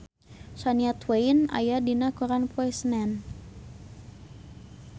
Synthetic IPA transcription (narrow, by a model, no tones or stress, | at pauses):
saniat̪wejna̰jadinakuɾanpɔɛsnɛn